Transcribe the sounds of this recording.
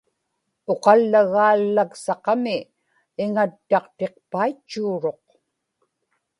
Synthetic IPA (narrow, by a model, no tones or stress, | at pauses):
oqɑlːaɣaːlːaksɑqɑmɪː | ŋat̪ːɑqt̪e̞q̚pait͡ʃːuːɻo̞q